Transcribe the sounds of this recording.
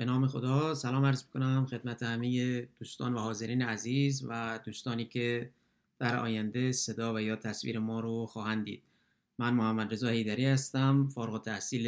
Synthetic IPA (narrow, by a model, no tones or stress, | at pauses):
b̥e̞nɒːme̞xod̪ɒːsælɒːmæɾzmikʰo̞næmxe̞d̪mæt̪ʰehæmejed̪̥uːst̪ɒ̰ːnvæhɒːze̞ɾiːneæziːzvæd̪uːst̪ɒːniːcʰe | d̪̥æɾɒ̰ːjænd̪ese̞d̪ɒːvæjɒːt̪ʰæsvḭːɾemɒːɾoxɒːhænd̪ḭːd̪̥ | mænmohæmːæd̪ɾe̞zɒːhe̞jd̪æɾiːhæst̪æmfɒːɾɣot̪ʰæhsiːl